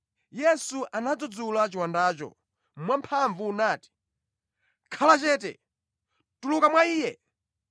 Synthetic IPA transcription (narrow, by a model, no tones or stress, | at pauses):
jɛsuʔanad͡zɔd͡zulat͡ʃiwandaːt͡ʃɔ̰ | mwampʰaɱvuːnaːti̥ | kʰalat͡ʃɛːt̬ɛ̰ | tulukamwaiːjɛ